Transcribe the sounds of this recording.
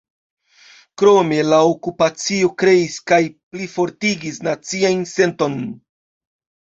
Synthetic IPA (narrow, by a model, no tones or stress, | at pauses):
kɾo̞me̞laokupat͡sio̞kɾe̞iskajplifo̞ɾtiɡisnat͡siajnse̞nto̞n